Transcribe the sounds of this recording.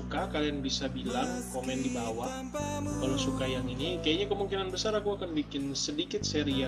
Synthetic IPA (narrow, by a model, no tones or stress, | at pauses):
ukakalianbisabilaŋkomɛndibawah | kalosukajaŋinikajaʔɲakəmuŋkinanbəsaɾakuakanbikɪnsədikɪt̪̚seɾia